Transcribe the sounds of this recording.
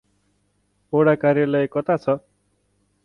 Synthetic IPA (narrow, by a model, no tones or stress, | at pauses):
oɽakarjʌlʌjekʌt̪at͡sʰʌ